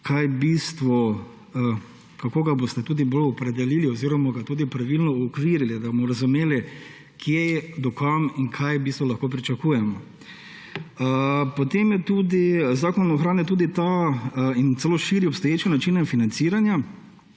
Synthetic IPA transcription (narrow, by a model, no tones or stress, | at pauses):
kʰajbist̪ʋɔ | ə | kakoːɡabost̪ɛt̪uːd̪ibolɔpɾɛd̪ɛliːliɔziːɾɔmaɡat̪uːd̪ipɾaʋilnɔɔkʋiɾilid̪abomɔɾazumeːli | kʰjejɛd̪ɔkʰamiŋkʰajbist̪ʋɔlɐxkoːp̬ɾit͡ʃɐkuːjɛmɔ | pot̪emjɛt̪uːd̪izaːkɔnɔxɾaːnjɛt̪uːd̪it̪a | int̪sɛloːʃiɾiɔpst̪ɔjeːt͡ʃanat͡ʃinainfinant̪siːɾanja